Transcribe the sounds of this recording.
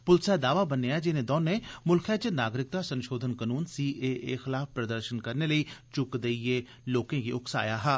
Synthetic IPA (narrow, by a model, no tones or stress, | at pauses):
pʊlsɛːd̪aːʋaːbəneaɦɛd͡ʒɪnẽːd̪ɔːnːeːmʊlkʰɛːt͡ʃənaːɡɾɪk̚t̪aːsə̃nʃoːd̪ʱənkənuːnsiːʔeːʔeːxɪlaːfpɾəd̪əɾʃənkəɾneːləiːt͡ʃʊkd̪eieː | loːkẽːkiːʊksa̰ːjaːɦɛː